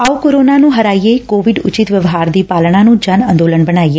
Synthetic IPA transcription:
aukoɾoːnanũːɦəɾaːijeikoːʋɪɖʊ̰t͡ʃɪt̪ʋjəʋɦaːɾd̪iːpaːlɳ̃ãːnũːd͡ʒənə̃nd̪oːlənbəñaːieː

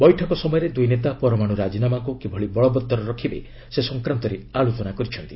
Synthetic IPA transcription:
bɔjʈʰɔkɔsɔmɔjɔɾed̪ujnet̪apɔɾɔmaɽ̃uɾad͡ʒinamakukebʱɔɭibɔɭɔbɔt̪ːɔɾɔɾɔkʰibḛ | sesɔŋkɾant̪ɔɾeaɭut͡ʃɔnakɔɾit͡ʃʰɔnt̪i

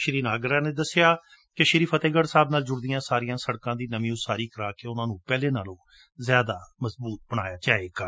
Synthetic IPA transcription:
ʃɾiːnaːɡəɾaːneːd̪əsːɪjaː | keʃɪɾiːpʰət̪eːɡəɽsaːbnaːld͡ʒʊɽd̪ijãːsaːɾɪjãːsəɽkãːd̪iːnəmĩːʊsaːɾiːkəɾaːkeːʊnãːnũːpɛːleːnaːlõː | zjaːd̪aːməsbuːt̪̚bəɽ̃aːjaːd͡ʒaːeːɡaː

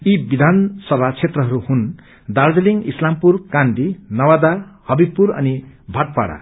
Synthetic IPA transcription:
ibid̪ʱansʌbʱat͡sʰet̪rʌɦʌɾuhun | d̪ard͡zeliŋislampurkanbinʌwad̪ahʌbipːuɾʌ̰nibʱaʈ̚pa̰ɽa̰

